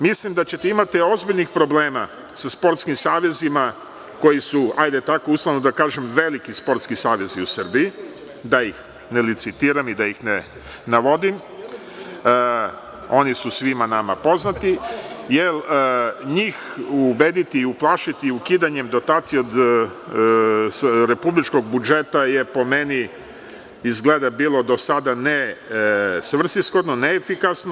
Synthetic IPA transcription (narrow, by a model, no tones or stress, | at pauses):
mislimd̪at͡ɕe̞t̪eimat̪io̞zbiʎnixpɾo̞bleːma | saspo̞ɾt̪skimsaːʋe̞zima | ko̞jisuajd̪at̪akousˠanod̪akaːʒemʋe̞likispo̞ɾt̪skisaːʋe̞ziusər̩biji | d̪ajix | nelit̪sit̪iːɾamid̪ajixne | naʋo̞d̪im | o̞nisusʋimanamapo̞znat̪ijelɲiːxubed̪it̪iːuplˠaːʃit̪iukiːd̪aɲe̞md̪o̞t̪aːt̪sijeod̪ | ɾe̞publit͡ʃko̞ɡ̚bud͡ʒet̪ajepo̞meni | izɡleːd̪abiːlˠo̞d̪o̞sad̪ane | sʋr̩sisxo̞d̪noneːfikasno